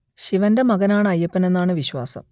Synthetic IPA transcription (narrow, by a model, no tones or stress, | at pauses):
ɕiʋɐnde̞mɐɣɐnaːɳɨɐjːɐpːɐne̞nːaːɳɨʋiɕwa̰ːsɐ̰m